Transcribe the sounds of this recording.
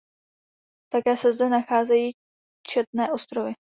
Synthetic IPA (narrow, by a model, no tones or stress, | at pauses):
t̪akɛːsɛzdɛnaxaːzɛjiː | t͡ʃɛt̪̚nɛːʔo̞st̪ɾovɪ